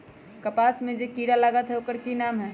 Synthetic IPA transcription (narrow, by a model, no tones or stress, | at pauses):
kəpaːsmẽd͡ʒekiːɽaləɡət̪ɦɛokəɾkinaːmɦɛː